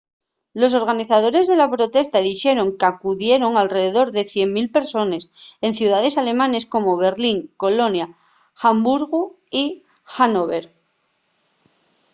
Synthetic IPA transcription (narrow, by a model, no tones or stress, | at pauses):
lo̞s̬o̞ɾɣaniθaðo̞ɾe̞zðe̞lapɾo̞t̪e̞st̪aðixe̞ɾo̞ŋkeakuðje̞ɾo̞ŋalre̞ðeðo̞ɾðe̞θje̞mmilpeɾso̞nese̞n̟θjuðaðe̞sale̞mãne̞sko̞mo̞βe̞ɾliŋko̞lo̞nja | xambuɾɣu | i | xanoβeɾ